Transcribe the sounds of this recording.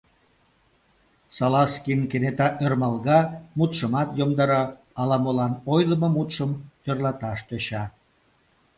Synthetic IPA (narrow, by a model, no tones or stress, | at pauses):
sɑlɑskinkenet̪ɑʔørmɑlɣɑmut̪ʃəmɑt̪jomd̪ɑɾɑ | ɑlɑmolɑnojləmomut̪ʃəmt̪ørlɑt̪ɑʃt̪øɕɑ